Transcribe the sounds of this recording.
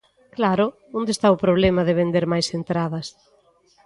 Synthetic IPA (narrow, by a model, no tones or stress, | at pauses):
klaɾʊ | õnd̪est̪aʊpɾoβ̞lɛmɐðɪβend̪eɾmajsent̪ɾaðɐs